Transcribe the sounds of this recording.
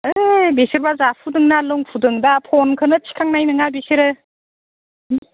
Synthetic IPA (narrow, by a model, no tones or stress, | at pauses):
ɯbesiɾbazapʰudɯŋnalɯŋpʰudɯŋdapʰɔnkʰɯnɯt͡ʃʰi̥kʰaŋnajnɯŋabesiɾɯ